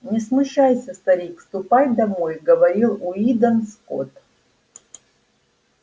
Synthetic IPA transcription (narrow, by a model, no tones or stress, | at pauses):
nʲɪsmʊɕajsʲəst̪ɐɾʲikfst̪ʊpajd̪ɐmojɡəvɐɾʲilˠʊid̪ənsko̰t̪